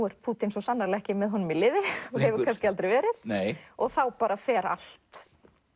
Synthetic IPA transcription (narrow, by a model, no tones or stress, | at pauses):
ɛɾ̥pʰuːt̪ɪnsɔsanːaɾlɛhcɪmɛðɦɔnːʏmilɪːvɪɔɣhɛvʏɾkʰanscɪalt̪ɾɛjvɛːɾɪðnejɔɣθawpaːɾafɛːɾa̰l̥t̪